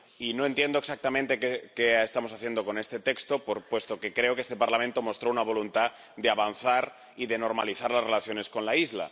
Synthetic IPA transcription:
ino̞ent̪je̞nd̪oeksak̚t̪amẽnt̪e̞kekeest̪amo̞saθje̞nd̪o̞ko̞ne̞st̪e̞t̪e̞kst̪opoɾpwe̞st̪o̞ke̞kɾe̞okest̪e̞paɾlamẽnt̪o̞mo̞st̪ɾounaβ̞o̞lunt̪a | d̪eaβanθaɾ | iðeno̞ɾmaliθaɾlazre̞laθjo̞ne̞sko̞nlaizla̰

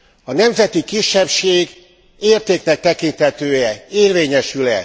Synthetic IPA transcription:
ɒnɛmzɛt̪ikiʃːɛpʃeːɡ | eːrt̪eːknɛk̚t̪ɛkint̪hɛt̪øːjɛeːrveːɲɛʃylɛ̰

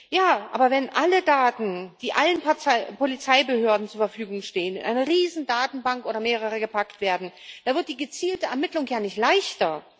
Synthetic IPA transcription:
jaːʔa̰ːbɐvɛnʔalədaːtn̩d̥iːʔalənpaɪpolit͡saɪbəhøːɐdn̩t͡suːɐfɛɐfyːɡʊŋʃteːənɪ̰nʔaɪnɐʁiːzn̩daːtn̩baŋkʔoːɾɐmeːʁ̞əʁ̞əɡəpaktv̥eːɐdn̩d̥anvɪɐt̚d̥iːɡət͡siːltəɛɐmɪtlʊŋjaːnɪçtlaɪçtɐ

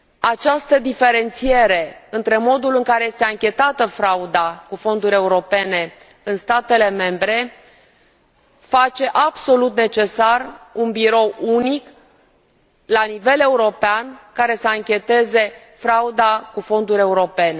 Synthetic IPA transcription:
at͡ʃast̪əd̪ife̞ɾe̞nt̪sije̞ɾe̞ɨnt̪ɾe̞mo̞d̪ulɨŋkaɾe̞je̞st̪eaŋkʲe̞t̪at̪əfɾaud̪akufo̞nd̪uɾʲe̞uɾo̞pe̞ne̞ | ɨnst̪at̪e̞le̞me̞mbɾe̞ | fat͡ʃe̞ʔabso̞lut̪ne̞t͡ʃe̞sarunbiɾo̞wunik | lanive̞le̞uɾo̞peankaɾe̞səaŋkʲe̞t̪e̞ze̞ | fɾaud̪akufo̞nd̪uɾʲe̞uɾo̞pe̞ne̞

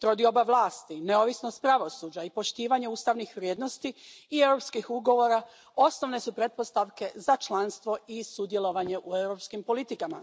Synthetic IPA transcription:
t̪ɾod̪io̞baʋlˠaːst̪ine̞o̞ʋisnost̪̚pɾaʋo̞suːd͡ʑaipo̞ʃt̪iːʋaɲe̞uːst̪aʋnixʋɾjeːd̪no̞st̪iːewɾo̞pskixuɡo̞ʋo̞ːɾa | o̞snoʋne̞supɾe̞t̪̚po̞st̪aʋke̞zat͡ʃlanst̪ʋo̞isud̪je̞lo̞ʋaɲe̞ʔue̞wɾo̞pskimpo̞lit̪ikama̰

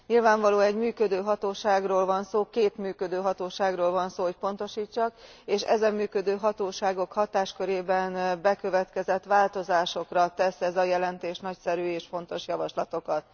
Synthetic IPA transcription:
ɲilvaːɱvɒloːɛɟmyːkød̪øːɦɒt̪oːʃaːɡroːlvɒnsoːkeːt̪myːkød̪øːɦɒt̪oːʃaːɡroːlvɒnsoːɦoc̚po̞nt̪o̞ʃiːt͡ʃːɒk | eːʃɛ̰zɛmːyːkød̪øːɦɒt̪oːʃaːɡo̞khɒt̪aːʃkøɾeːbɛnbɛkø̞vɛt̪kɛzɛt̪ʋaːlt̪o̞zaːʃo̞krɒt̪ɛsɛzɒjɛlɛnt̪eːʃnɒcsɛɾyːeːʃfo̞nt̪o̞ʃjɒvɒʃlɒt̪o̞kɒt̪̚

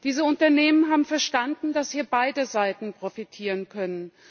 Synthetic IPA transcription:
d̥iːzəʊntɐneːmənɦaːbm̩fɛɐʃtandn̩dashiːɐbaɪdəzaɪtn̩pʁ̥ofitʰiːʁ̞ənkʰœnən

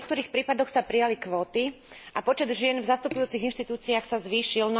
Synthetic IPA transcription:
k̚t̪ɔɾiːxpɾiːpad̪ɔxsapɾijalikʋɔːt̪i | ʔapɔt͡ʃɛd̪ʒɪɛnvzast̪upujuːt͡siɣinʃt̪it̪uːt͡siaːxsazʋiːʃiln

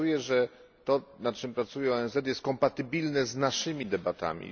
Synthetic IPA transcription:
ujɛʐɛ | t̪ɔnatt͡ʂɘmpɾat̪sujɛɔɛnzɛt̪̬jɛst̪̚kɔmpat̪ɘbʲilnɛznaʂɘmʲid̪ɛbat̪a̰mʲḭ

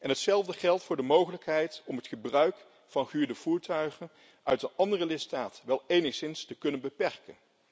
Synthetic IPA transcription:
ʔɛnɦətsɛlˠvdəχɛlˠtfʊːɹdəmowχələkɦɛjtɔmətχəbrœɥk | fɑnχyːɹdəv̥uːɹtœɥχən | ʔœɥtənɑndərəlɪtstaːtʋɛlˠejnəχsɪnstəkɵnənbəpɛɹkən

